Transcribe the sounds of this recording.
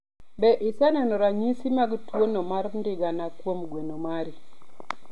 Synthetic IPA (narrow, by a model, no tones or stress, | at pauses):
bɛʔisɛnɛnɔɾaɲisimaɡtwonomaɾndɪɡanakwomɡwenomaɾi